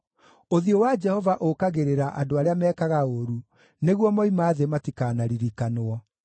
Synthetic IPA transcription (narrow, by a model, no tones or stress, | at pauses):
oðiowad͡ʒɛhɔvaʔokaɣeɾeɾaʔa̰doaɾeamɛːkaɣaoɾu | neɣwɔmɔimaːðematikaːnaɾiɾikanoɔ